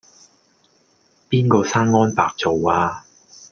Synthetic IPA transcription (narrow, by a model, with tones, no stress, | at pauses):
piː˥nkɔː˧saː˥nŋɔː˥npaː˨k̚t͡so˨waː˧